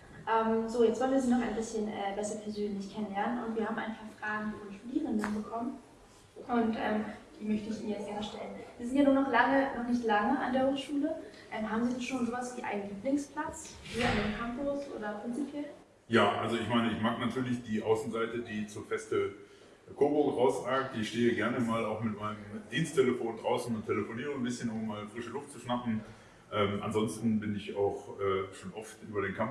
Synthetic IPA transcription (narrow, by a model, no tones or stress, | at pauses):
ʔɛːmzoːjɛt͡sv̥ɔlnviːɐziːnɔχaɪnbɪsçənʔɛːbɛsɐpʰɛɐzøːnlɪçkʰɛnənlɛɐnənʊ̰ntv̥iːɐhaːbm̩ʔa̰ɪnpʰaːfʁ̥aːɡŋ̩diviːɐʃtudiːʁ̞əndənbəkʰɔmən | ʔʊntʔɛːmd̥iːmœçtəɪçiːnənjɛt͡stɡ̥ɛɐnəʃtɛlənv̥iːɐzɪntjanuːɐnɔχlaŋənɔχnɪçtlaŋəʔa̰ndeːɐhoːʃuːləʔɛːmɦaːbm̩ziːdɛnʃoːnzoːvasv̥iːʔa̰ɪnənliːplɪŋspʰl̥at͡sviːdɐɪndeːmkʰampʊsʔo̰ːdɐpʁ̥ɪnt͡sipʰjɛl | jaːʔa̰lzoɪçmaɪnəɪçmaːknatʰyːɐlɪçd̥iːʔaʊsn̩zaɪtədiːt͡suːɐfɛstə | kʰoɐbʊɡʁaʊsʁaːk̚tɪçʃteːəɡɛɐnəmaːlaʊxmɪtmaɪnəmd̥iːnstʰeləfoːndʁaʊsn̩ʊntʰeləfoniːʁ̞ənbɪsçənʊmːaːlfʁ̥ɪʃəlʊftt͡suʃnapn̩ | ʔɛːmʔa̰nzɔnstn̩bɪnɪçaʊxʔɛːʃoːnʔɔftʔyːbɐɾeːnkʰam